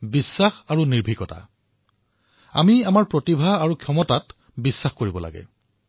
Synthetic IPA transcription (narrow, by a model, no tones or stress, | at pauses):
bisːaxaɹuniɹbʱikɔta̰ | a̰miamaɹpɹotibʱaaɹukʰjɔmɔtat | bisːaxkoɹibɔla̰ɡɛ̰